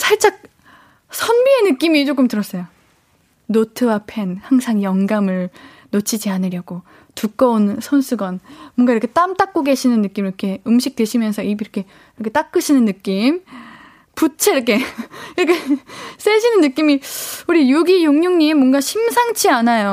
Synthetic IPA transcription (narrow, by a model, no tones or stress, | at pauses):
sʰaɭt͡ɕ͈ak̚ | sʰʌnbie̞nɯk͈imit͡ɕ͈ok͈ɯmtɯɾʌs͈ʌjo | notʰɯwapʰe̞nhaŋsʰaŋjʌŋɡamɯɭ | not͡ɕʰid͡ʑianɯɾjʌɡo | tuk͈ʌonsʰʌnsʰuɡʌnmʌnɡaiɾʌkʰet͈amt͈ak̚k͈oɡe̞ɕʰinɯnːɯk͈imiɾʌkʰe̞ɯmɕʰik̚twe̞ɕʰimjʌnsʰʌibiɾʌkʰe̞ | iɾʌkʰe̞t͈ak͈ɯɕʰinɯnːɯk͈im | put͡ɕʰeiɾʌkʰe̞iɾʌkʰes͈eɕʰinɯnːɯk͈imiuɾijuɡijoŋɲuŋɲimːʌnɡaɕʰimsʰaŋt͡ɕʰianajo